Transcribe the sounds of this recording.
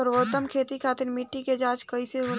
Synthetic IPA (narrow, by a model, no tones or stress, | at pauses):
ɔːɾʋoːt̪ːəmkʰeːt̪ikʰaːt̪ɪɾmɪʈːiked͡ʒaːt͡ʃkəiseɦoːl